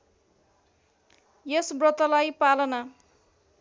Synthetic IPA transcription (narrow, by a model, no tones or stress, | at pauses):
jesbrʌt̪ʌlajpalʌnʌ